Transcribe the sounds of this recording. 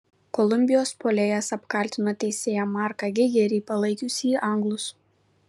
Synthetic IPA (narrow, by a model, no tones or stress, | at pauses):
kɔlˠʊmʲbʲɪjoːspoːlʲeːjɛsɐpkɐˑlʲt̪ʲɪnoːt̪ʲɛɪsʲeːjɛmɑːˑɾkɑɡʲɪɡʲɛɾʲɛɪpɐlˠɐɪkʲʊsʲiːʔɐŋɡlˠʊs